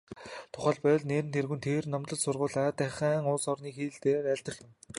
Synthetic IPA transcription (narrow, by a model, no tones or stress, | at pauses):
t̪ʰʊχæːɮpœːɮneːɾɘ̆nt̪ʰerɣɘ̆nt̪ʰeːrnɔmt̪ɮə̆ɮt͡ɕsʊrʁʊːɮaːt̪æχæːŋʊːsɔrniːxiːɮt̪eːeːræɮʲt̪ə̆ɮwɘ̆n